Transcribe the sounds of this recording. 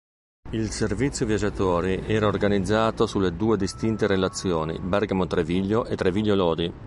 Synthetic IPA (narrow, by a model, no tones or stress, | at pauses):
ilservit̪sːjovjad͡ʒat̪oːɾiʔɛːɾaorɡanid̪zːaːt̪osuled̪uːed̪ist̪int̪eɾelat̪sːjoːnḭbɛrɡamot̪ɾeviʎːoʔet̪ːɾeviʎːolɔːd̪i